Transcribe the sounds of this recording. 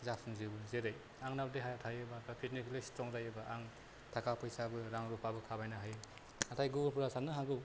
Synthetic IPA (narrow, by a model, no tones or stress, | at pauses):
zapsɯŋzibɯzeɾaj | aŋnawdeɦajatʰajɯbakapʰitneslejstɾɔŋzajɯbaʔaŋ | tʰakʰapʰɯjsabɯɾaŋɾupʰabɯkʰabajnaɦaj | atʰajɡubɾpʰuɾasanːɯɦaɡɯw